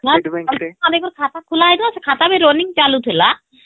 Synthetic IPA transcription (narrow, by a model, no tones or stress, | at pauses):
naad̪ekɔɾkʰat̪akʰulajd̪uasʰekʰat̪abeɾoniŋt͡ʃalut̪ʰila